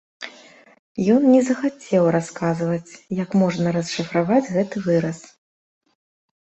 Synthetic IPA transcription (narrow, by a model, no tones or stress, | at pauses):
jɔnnʲɛzɐxat͡sʲɛwraskazvɐt͡sʲjɐkmɔʐnɐɾɐsʂɨfɾavad͡zʲɣɛt̪ɨvɨɾɐs